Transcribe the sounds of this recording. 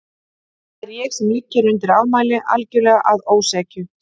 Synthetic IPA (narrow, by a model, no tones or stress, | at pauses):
ɾjɛːxsɛmlɪcːɪɾʏnt̪ɪɾawmaːjlɪʔa̰lcɛwlɛːɣaʔaðoːwsɛːcʏ